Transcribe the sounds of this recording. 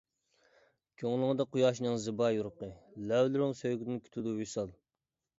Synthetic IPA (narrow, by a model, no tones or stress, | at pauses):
kʲʰøŋlˠɨŋɨd̪ɑqujɑːʃnɨŋzɨbɑjuɾʊqəlɛwlɪɾɪŋsøjɡʲɪd̪ɪnkʲʰy̥t̪ʰud̪uusɑlˠ